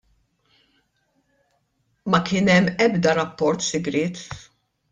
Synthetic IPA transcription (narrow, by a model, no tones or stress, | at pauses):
mɐkɪːnɛmːɛbd̪ɐɾɐpːɔɾt̪sɪɡɾɪːt̪